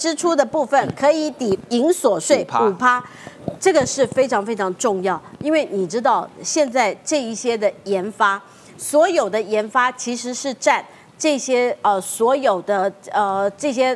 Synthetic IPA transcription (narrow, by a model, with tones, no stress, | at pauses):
ʈ͡ʂɻ̩˥ʈ͡ʂʰu˥d̪ə˨pu˥˩fə˨˩nkʰɤ˧˥i˧˥t̪i˨˩i˧˥ŋswɔ˨˩ʂwe˥˩ɪu˨˩pʰa˥ʈ͡ʂɤ˥˩ɡə˩ʂɻ̩˥˩fe˥ɪʈ͡ʂʰɑ˧˥ŋfe˥ɪʈ͡ʂʰɑ˧˥ŋə˧ʈ͡ʂʊ˥˧ŋjɑ˥˩ʊi˥nwe˥˩ɪni˨˩ʈ͡ʂɻ̩˥t̪ɑ˥˩ʊɕjɛ˥˧nt͡sa˥˩˧ɪʈ͡ʂɤ˥˧i˥˩ɕjɛ˥d̪ə˨jɛ˧˥nfa˥ | swɔ˧˥jo˨˩ʊd̪ə˦jɛ˧˥nfa˥t͡ɕʰi˧˥ʂɻ̩˧˥ʂɻ̩˥˧ʈ͡ʂa˥˧n | ʈ͡ʂɤ˥˩ɕjɛ˥ə˧swɔ˧˥jo˨˩ʊd̪ə˧ə˧ʈ͡ʂɤ˥˩ɕ̬jɛ˥